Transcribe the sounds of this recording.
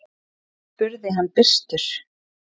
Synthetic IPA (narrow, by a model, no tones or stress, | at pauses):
pʏɾðɪɦanːpɪst̪ʏɾ̥